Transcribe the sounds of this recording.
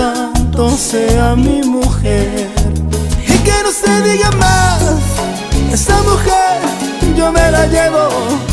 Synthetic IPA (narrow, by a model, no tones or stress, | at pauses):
ant̪onseamimuxeɾikenõseðiɣamas | esemuxeɾd͡ʒomelaʎeβo